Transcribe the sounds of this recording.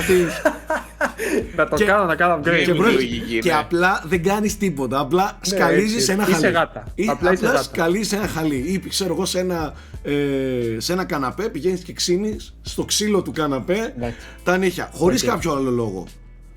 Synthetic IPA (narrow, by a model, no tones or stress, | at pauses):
ɐt̪i | nɐt̪oekɐnonɐkɐnɐmkepɾoiieɐplɐðe̞ŋɡɐnist̪ipo̞t̪ɐːplɐskɐlizisenɐxiɐleɣɐt̪ɐiplɐisplɐɐstkɐlizise̞nɐxɐliipkse̞ɾo̞eɣo̞se̞nɐ | ese̞nɐkɐnɐpe̞piʝe̞nisce̞ksinisːt̪o̞ksilo̞t̪ukɐnɐpe̞ɐ | t̪ɐniçɐ̰xo̞ɾiskɐpçoalo̞lo̞ɣo̞̰